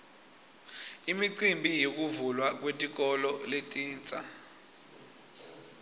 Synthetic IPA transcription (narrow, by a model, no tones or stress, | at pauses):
imiǀimbʱijok̬ʼuvulwak̬ʼwetʼik̬ʼɔlɔletʼiːnt͡sʼa̰